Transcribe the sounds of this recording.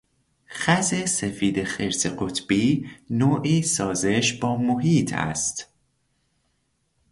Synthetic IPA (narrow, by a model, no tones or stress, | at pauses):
xæze̞sefiːd̪exeɾseɢot̪b̥iːnoːʔiːsɒːze̞ʃbɒːmoɦiːt̪ʰæ̰st̪